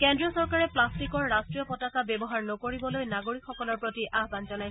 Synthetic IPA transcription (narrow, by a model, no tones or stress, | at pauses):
kɛndɹiɔsɔɹkaɹɛplastikɔɹːastɹijɔpɔtakabɛbɔɦaɹnɔkoɹibɔlojnaɡoɹikkʰxɔkɔlɔɹpɹotiaɦbanzɔnajsɛ